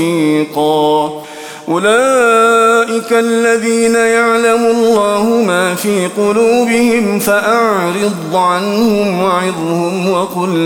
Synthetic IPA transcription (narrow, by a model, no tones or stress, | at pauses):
iːqɑː | ʔʊlaː | ʔɪkaʔlːaðiːnajaʕlamʊɑllːaːhʊmaːfiːqʊluːbɪhɪmfaʔaʕɾɨd̪ˤʕanhʊmwaʕɪd̪ˤhʊmwaqʊlː